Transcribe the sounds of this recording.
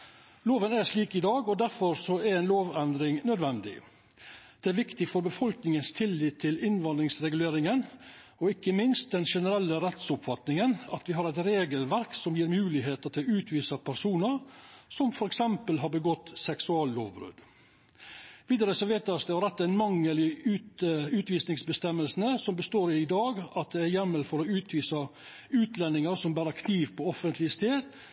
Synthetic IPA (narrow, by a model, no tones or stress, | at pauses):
loːʋənæʂliːkɪd̪ɑːɡɔd̪æɾfɔɾsɔæɾɛɪnloːʋɛnd̪ɾɪŋnœd̪ʋɛnd̪ɪ̰ | d̪̥ɛæɾʋɪkt̪ɪfɔɾbəfɔlknɪŋənst̪ʰɪlːiːt̪ʰːɪlɪnʋɑnd̪ɾɪŋsɾɛɡʉleːɾɪŋən | ɔɪkːəmɪnst̪̚d̪ɛnʂɛnəɾɛlːəɾɛt̪sʊpfɑt̪nɪŋənɑt̪ʋɪɦɑɾæɪt̪ɾeːɡəlʋæɾksɔmjiːɾmʉːlɪɦeːt̪ət̪ʰɪlʉːt̪ʰʋiːsɑpʰæɾsuːnəɾsɔmfɔɾɛksɛmpəlɦɑɾbəɡɔt̪ːsɛksʉɑːllo̰ːʋbɾʉ̰ːd̪ | ʋiːd̪əɾəsɔʋeːt̪ɑsd̪ɛɑɾɛt̪ːænmɑŋːəlɪʉːt̪ʉːt̪ʋiːsnɪŋsbəst̪ɛmːəlsn̩əsɔmbəst̪oːɾɪɪd̪ɑːɡɑt̪̚d̪ɛæɾjɛmːəlfɔɾɔʉːt̪ʰʋiːsɑ | ʉːt̪lɛnːɪŋəɾsɔmbæːɾəkʰniːʋpʰɔɔfənt̪ʰlɪəst̪eːd̪